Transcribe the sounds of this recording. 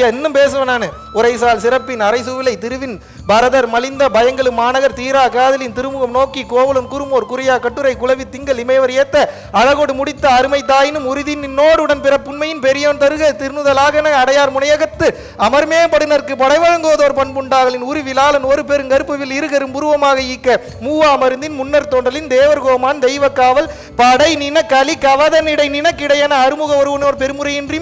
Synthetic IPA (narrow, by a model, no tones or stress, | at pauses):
ɐɛnːɯmpeːs̬ɯʋɐnaːnɐ | ʊɾɐɪsaːlsɪɾɐpːɪnɐɾɐɪsɯʋɪlɐɪt̪ɪɾɯʋɪn | bɐɾɐðɐɾmɐlɪnd̪ɐbɐjɐŋɡɐɭɯmːaːnɐɣɐɾt̪iːɾaːkaːðɐlɪnt̪ɪɾɯmɯɣɐmnoːkːikoːʋɐlɯmkʊɾɯmoːɾkʊɾɪjaːkɐʈːɯɾɐɪkːʊɭɐʋɪt̪ːɪŋɡɐɭɪmɐɪʋɐɾeːt̪ːɐ | ɐɻɐɣoɽɯmʊɽɪt̪ːɐːɾɯmɐɪt̪̬ːaːjɪnɯmʊɾɪðɪnːɪnːoːɽɯɽɐnpɪɾɐpːʊnmɐjɪnpɛɾɪjɐːnt̪ɐɾɯɣɐt̪ɪɾnɯðɐlaːɣɐnɐɐɽɐjaːɾmʊɳɐjɐɣɐt̪ːɯ | ɐmɐɾmeːɐmpɐɽɯnɐɾkɯpɐɽɐɪʋɐɻɐŋɡɯʋɐðoːɾpɐɳpʊɳɖaːɣɐlɪnʊɾiʋɪlaːlɐnoːɾɯp̬ɛɾɯŋɡɐɾɯpːɯʋɪlɪɾɯɣɐɾɯmpʊɾɯʋɐmaːɣɐɪkːɐ | muːʋaːmɐɾɯnd̪ɪnmʊnːɐɾt̪oːɳɖɐlɪnd̪eːʋɐɾɣoːmaːnd̪ɛɪʋɐkːaːʋɐl | pɐɽɐɪnɪnɐkɐlikːɐʋɐðɐnɪɽɐɪnɪnɐkːɪɽɐjaːnɐːɾɯmʊɣɐɔɾɯʋɐnoːɾpɛɾɯmɯɾɐjɪndrɪm